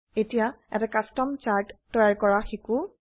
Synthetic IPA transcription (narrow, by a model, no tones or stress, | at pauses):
etijaɛ̰takastɔmt͡ʃaɹtːɔjaɹkɔɹaxeku